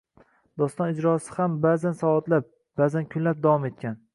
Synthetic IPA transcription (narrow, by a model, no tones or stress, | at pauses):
d̪ɒst̪ɒnɪd͡ʒɾɒsɪhambazansɒvɒt̪lap̚ | b̥azankʰʊnlap̚d̪avɒme̞t̪̚kʲʰan